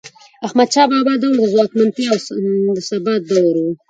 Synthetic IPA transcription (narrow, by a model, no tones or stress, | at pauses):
axmad̪̚t͡ʃɑbɑbɑd̪awɾd̪əzwɑkmant̪iawd̪əsabat̪̚d̪awɾwu